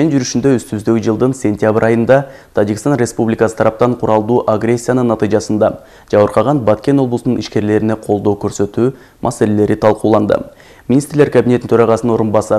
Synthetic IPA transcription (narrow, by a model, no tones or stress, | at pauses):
eind͡ʒyɾyʃynd̪øyst̪yzd̪øɡʲid͡ʒɯlˠd̪ɯnsʲe̞nʲt̪ʲjabɾʔɑjɯnd̪ɑt̪ʰɑd͡ʒikʲist̪ɑnrʲe̞spublʲikɑsə̥t̪ʰɑɾɑp̚t̪ɑɴqʰuɾɑlˠd̪uːʔaɡrʲe̞sʲːijanɯnːɑt̪ɨjʒɑsɯnd̪ɑ | d͡ʒɑβɯɾqʰɑʁɑnbɑt̪kʲe̞no̞blˠsununiʃke̞ɾle̞ɾine̞qʰo̞lˠd̪o̞wkʰɵɾsø̞t̪yː | mʔɑse̞le̞le̞ɾit̪ʰɑlˠquːlˠɑnd̪ə̰ | mʲinʲist̪ɾleɾkʰabʲineint̪ʰøɾɑʁɑsənno̞ɾunbɑsɑ